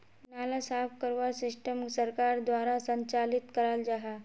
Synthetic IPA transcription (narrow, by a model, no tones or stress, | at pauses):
nalasafkəɾʋasisʈəmsəɾkaɾd̪ʋaɾasəɲt͡ʃalit̪kəɾald͡ʒaɦa